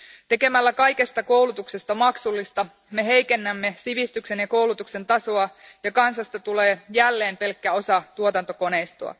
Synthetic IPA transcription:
t̪e̞ke̞mælːækɑjke̞st̪ɑko̞wlut̪ukse̞st̪ɑmɑksulːist̪ɑ | me̞ɦe̞jke̞nːæmːe̞siʋist̪ykse̞njɑko̞wlut̪ukse̞nt̪ɑsoɑjɑkɑnsɑst̪ɑt̪ule̞ːjælːe̞ːmpe̞lkːæo̞sɑt̪uot̪ɑnt̪o̞ko̞ne̞jst̪oɑ̰

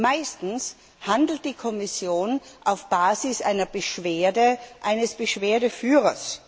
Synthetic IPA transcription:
maɪstn̩s | handl̩t̚d̥iːkʰɔmɪsjoːnʔaʊfb̥aːzɪsʔa̰ɪnɐb̥əʃv̥eːɐdəʔaɪnəsb̥əʃv̥eːɐdəfyːʁɐs

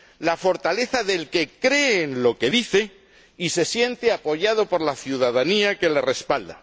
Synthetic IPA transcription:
lafo̞ɾt̪ale̞θaðe̞lke̞kɾe̞ːnlo̞ke̞ðiθe̞ | ise̞sje̞nt̪eapo̞ʝað̞o̞po̞ɾlaθjuðaðaniake̞le̞re̞spald̪a̰

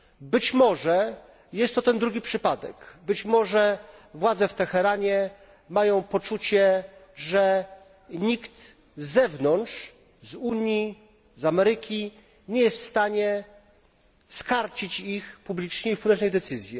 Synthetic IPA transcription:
bɘt͡ɕmɔʐɛ | jɛst̪ːɔt̪ɛnd̪ɾuɡʲipʂɘpad̪ɛ̰kbɘt͡ɕmɔʐɛvwad̪zɛft̪ɛxɛɾaɲɛ | majɔ̃w̃pɔt͡ʂut͡ɕɛʐɛ | ɲikt̪ | zːɛvnɔntʂ | zuɲji | zamɛɾɘkʲi | ɲɛjɛst̪fst̪aɲɛ | skaɾt͡ɕit͡ɕixpublʲit͡ʂɲɛifpuw̪ɛt͡ʂnɛjd̪ɛt̪sɘzʲjɛ

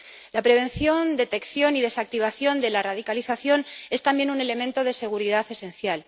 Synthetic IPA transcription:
lapɾe̞βẽ̞nθjo̞nd̪e̞t̪e̞kθjo̞niðe̞sak̚t̪iβ̞aθjo̞nd̪e̞laraðikaliθaθjo̞ne̞st̪ambje̞nune̞le̞mẽnt̪oð̞e̞se̞ɣ̞uɾiðaθe̞se̞nθjal

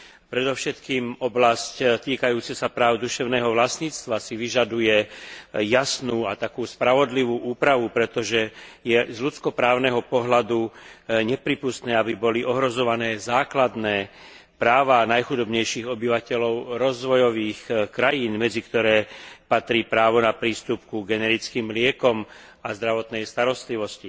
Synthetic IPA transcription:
pɾɛd̪ɔʊʃɛt̪kiːmɔblasct̪iːkajuːt͡sɛsapɾaːʊd̪uʃɛʊnɛːɦɔʋlasɲiːt͡st̪ʋasiʋiʒad̪ujɛjasnuːat̪akuːspɾaʋɔd̪liʋuːʔuːpɾaʋupɾɛt̪ɔʒɛjɛzʎut͡skɔpɾaːʊnɛɦɔpɔɦlad̪uɲɛpɾiːpust̪nɛːabibɔliʔɔɦɾɔzɔʋanɛːzaːklad̪nɛː | pɾaːʋaːnajxud̪ɔbɲɛjʃiːɣɔbiʋacɛlɔʊɾɔzʋɔjɔʋiːxkɾajiːnmɛd͡zikt̪ɔɾɛːpat̪ɾiːpɾaːʋɔnapɾiːst̪up̚kuɡɛnɛɾit͡skiːmlɪɛkɔm | azd̪ɾaʋɔt̪nɛjst̪aɾɔst̪liʋɔsci

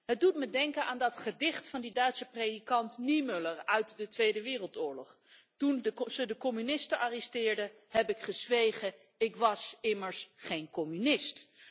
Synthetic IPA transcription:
ɦət̚dutmədɛŋkənʔaːndɑtχədɪχtfɑndidœɥtsəprejdikɑntnimølərœɥtdətʋejdəʋɪːrəlˠtʊːɹlɔχ | tunzədəkɔmynɪstənʔaːrɛstɪːɹdə | hɛpɪkχəzʋejχə | ɪkʋɑsɪməɹsχejnkɔmynɪst

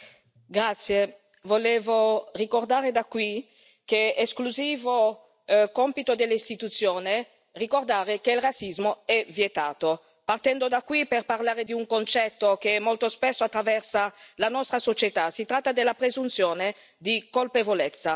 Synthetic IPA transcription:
ɡɾat̪sje | voleːvorikord̪aːɾed̪akːwi | keeskluziːvo | kɔmpit̪od̪elːist̪it̪ut̪sːjoːne | rikord̪aːɾekeilrat̪sːizmoɛvjet̪aːt̪o | part̪ɛnd̪od̪akːwiperparlaːɾed̪iuŋkont͡ʃɛt̪ːokeɛmːolt̪ospɛsːoat̪ːɾavɛrsalanɔst̪ɾasot͡ʃet̪asit̪ɾat̪ːad̪elːapɾezunt̪sjoːne | d̪ikolpevolet̪sːa

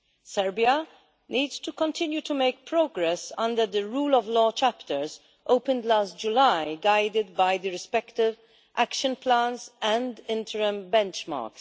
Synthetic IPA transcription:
sɛɹbia | niːdz̥tukɔ̃nt̪ʰɪ̃njut̪umeɪk̚pɹoːɡɾɛsʌ̃nd̪əɾd̪əɹuːlɔvlɔːt͡ʃæpt̪ʰəɹz | ʔoʊpə̃nd̪laːst̚d͡ʒulajɡaɪd̪ɪd̪bajd̪əɾɪspɛkt̪ɪv | ʔækʃə̃nplæ̃nsɛ̃nd̪ɪ̃nt̪ʰəɾə̃mbɛ̃nt͡ʃmɑ̰ːɹks

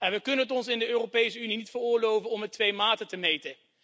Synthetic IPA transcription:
ɛnʋəkɵnənətɔnsɪndəøːropejsəyninitfərʊːɹlowvənɔmətʋejmaːtətəmejtən

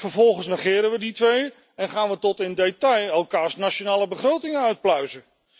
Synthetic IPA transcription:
fəɹvɔlˠχənsnəχɪːɾənʋəditʋej | ɛnχaːnʋətɔtɪndejtɑjɛlˠkaːɹsnat͡ʃonaːlˠəbəχrowtɪŋənœɥt̚plœɥzə

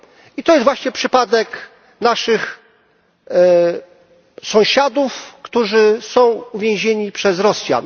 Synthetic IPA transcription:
it̪ɔjɛst̪vwaɕɲɛpʂɘpad̪ɛk | naʂɘx | sɔ̃w̃ɕad̪ufkt̪uʐɘsɔ̃w̃uvʲjɛ̃w̃ʑeɲipʂɛzɾɔsʲja̰

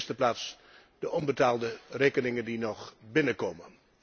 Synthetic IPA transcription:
stəplaːts | d̥əʔɔnbətaːlˠdəreːkənɪŋəndinɔχbɪnəkoːmən

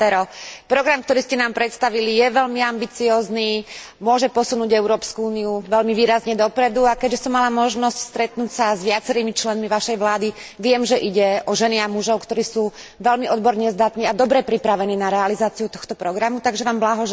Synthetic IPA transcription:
ɛɾɔpɾɔɡɾamkt̪ɔɾiːscɛnaːmpɾɛt̪st̪aʋilijɛʋɛʎmiambit͡siɔːzniː | mʊɔʒɛpɔsunuːɟɛʊɾɔːpskuuːniuʋɛlmiʋiːɾazɲɛd̪ɔpɾɛd̪uakɛɟʒɛsɔmːalamɔʒnɔscst̪ɾɛt̪nuːcsazʋɪat͡sɛɾiːmit͡ʃlɛnmiʋaʃɛjʋlaːd̪iʋɪɛmʒɛʔiɟɛɔʒɛniamuʒɔʊkt̪ɔɾiːsuːʋɛlmiʔɔd̪bɔɾɲɛzd̪at̪niːad̪ɔbɾɛpɾipɾaʋɛniːnaɾɛalizaːt͡siut̪ɔxt̪ɔpɾɔɡɾamut̪aɡʒɛʋaːmblaɦɔʒ

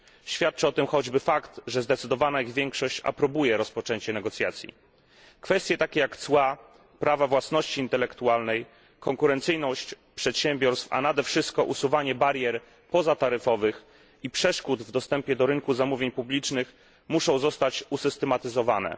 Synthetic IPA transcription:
ɕfʲjat̪̚t͡ʂɛɔt̪ɘmxɔd͡ʑbɘfakt̪ʐɛzd̪ɛt̪sɘd̪ɔvanaiɣvʲjɛŋkʂɔɕt͡ɕa̰pɾɔbujɛɾɔspɔt͡ʂɛɲt͡ɕɛnɛɡɔt̪sʲjat̪sʲjḭ | kfɛst̪jɛt̪akʲɛjakt̪swa | pɾʔavavwasnɔɕt͡ɕiːnt̪ɛlɛkt̪ualnɛj | kɔŋkuɾɛnt̪sɘjnɔɕt͡ɕ | pʂɛt̪ɕɛmbʲjɔɾst̪fa̰nad̪ɛfʂɘst̪̚kɔʔusuvaɲɛbaɾjɛɾ | pɔzat̪aɾɘfɔvɘx | ipʂɛʂkut̪vd̪ɔst̪ɛmpʲjɛd̪ɔɾɘŋkuzamuvʲjeɲpublʲit͡ʂnɘx | muʂɔ̃w̃zɔst̪at͡ɕusɘst̪ɛmat̪ɘzɔvanɛ̰

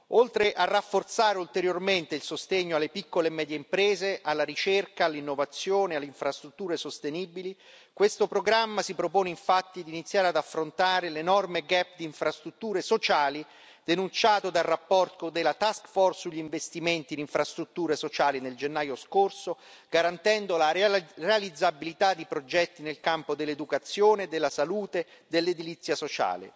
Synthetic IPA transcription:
olt̪ɾeʔarːafːort̪saːɾeult̪eɾjorment̪eilsost̪eɲːoalːepikːolemɛːd̪jeimpɾɛːzeʔalːaɾit͡ʃerkaːlːinːovat̪sːjoːnealːeiɱfɾast̪ɾut̪ːuːɾesost̪eniːbili | kwest̪opɾoɡɾamːasipɾopoːneiɱfat̪ːid̪init̪sːjaːɾead̪afːɾont̪aːɾelenɔrmeɡɛpːd̪iːɱfɾast̪ɾut̪ːuːɾesot͡ʃaːli | d̪̥enunt͡ʃaːt̪od̪alrːapːɔrt̪od̪elːat̪askfɔrsːuʎːiɱvest̪iment̪iniɱfɾast̪ɾut̪ːuːɾesot͡ʃaːlineld͡ʒenːaːjoskorso | ɡ̥aɾant̪ɛnd̪olarealid̪zːabilit̪ad̪ːipɾod͡ʒɛt̪ːinelkampod̪elːed̪ukat̪sːjoːned̪elːasaluːt̪ed̪elːed̪ilit̪sːjasot͡ʃa̰ːlḛ

